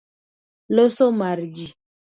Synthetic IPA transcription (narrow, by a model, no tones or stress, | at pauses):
losomaɾd͡ʒi